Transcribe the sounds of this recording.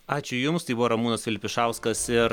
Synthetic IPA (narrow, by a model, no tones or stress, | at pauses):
ɑːt͡ʃʲʊjʊmst̪ɐɪbʊʋoːɾɐmuːnɐsʋʲɪlʲɪpʲɪʃɑˑʊskɐsɪɾ